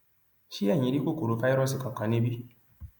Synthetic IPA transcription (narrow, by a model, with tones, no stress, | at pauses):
ʃi˦a˦˨ɲĩ˨˦ɾi˦ko˦ko˨ɾo˨˦fa˦i˦ɾɔ˦si˨kã˨kã˨˦ne˦bi˦